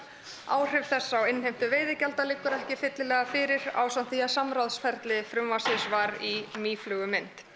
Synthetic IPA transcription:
a̰ːwr̥ɪv̥θɛsːawɪnːhejm̥t̪ʏveːjðɪcɛlt̪alɪkːʏɾɛhcɪfɪt̪lɪlɛːɣafɪɾɪɾa̰ːwsant̪θiasamɾaðsfɛɾt̪lɪfɾʏmvasɪsvaɾimiːflʏɣʏmɪnt̪

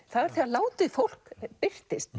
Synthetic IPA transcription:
θaðaɾθialaːwt̪ɪfowl̥kpɪr̥t̪ɪst̪

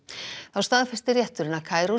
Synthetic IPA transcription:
θawst̪aːðfɛst̪ɪrjɛht̪ʏɾɪnːakʰaːjɾo

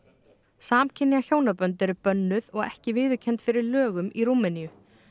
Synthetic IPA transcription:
saːmcʰɪnːiaçoːwnapœnt̪ɛɾʏpœnːʏðɔɣɛ̰hcɪvɪːðʏcʰɛnt̪fɪɾɪɾlœːɣʏmiɾuːmɛnijʏ

